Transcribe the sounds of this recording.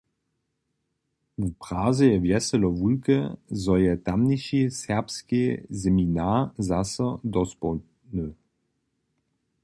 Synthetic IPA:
upʁ̥aːzəjɛvjɛsɛlɔvulkəzɔjɛt̪amniʃisɛʁpskezɛminazasəd̪ɔspɔ | nø

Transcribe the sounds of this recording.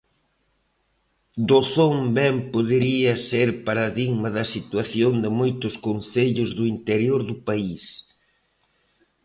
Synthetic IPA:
d̪oθombɛmpoðeɾiɐseɾpaɾaðiɣmɐðɐsit̪waθjond̪ɪmojt̪ʊskonθeʎʊzðʊint̪eɾjoɾðʊpais

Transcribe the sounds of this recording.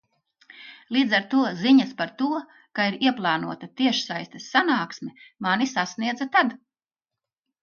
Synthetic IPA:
lˠiːd̪zaɾt̪uɔziɲɐspaɾt̪uɔ | kaiɾiɛplˠɑːnuɔt̪at̪iɛʃsajst̪ɛsːanaːksmʲimanisasniɛd̪zat̪ad̪

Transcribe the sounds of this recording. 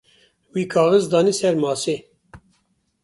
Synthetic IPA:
wiːkʰɑːʁəzd̪ɑːniːsɛɾmɑːseː

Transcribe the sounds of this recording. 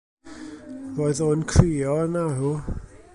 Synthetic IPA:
voːɨðoːnkʰriːɔənaɦu

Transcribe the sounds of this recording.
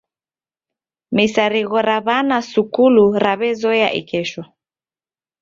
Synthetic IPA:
misaɾiɣɔɾaβanasukuluɾaβɛzɔjaʔḭkɛʃɔ

